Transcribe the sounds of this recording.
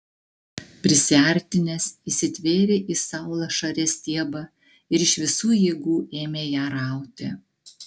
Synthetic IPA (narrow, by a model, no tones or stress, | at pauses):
pʲɾʲɪsʲɛːˑɾʲt̪ʲɪnʲɛsisʲɪt̪ʲʋʲeːɾʲeʔisɑˑʊlˠɐʃɐɾʲɛːsʲt̪ʲiɛbɐ | ɪɾɪʃʋʲɪsuːjiɛɡuːeːmʲeːjæːɾɑˑʊt̪ʲɪ